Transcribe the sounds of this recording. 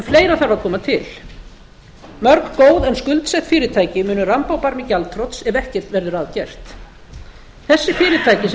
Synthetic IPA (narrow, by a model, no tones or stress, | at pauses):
fleːjɾaθaɾvaɾkʰɔːmat̪ʰɪl | mœɾkkoːwðɛnskʏlt̪sɛht̪fɪːɾɪt̪ʰaːjcɪmʏːnʏrampawpaɾmɪcalt̪ʰɾɔt̪sɛvɛhcɪr̥t̪vɛɾðʏɾaːðcɛr̥t̪ | θɛsːɪfɪːɾɪt̪ʰaːjcɪs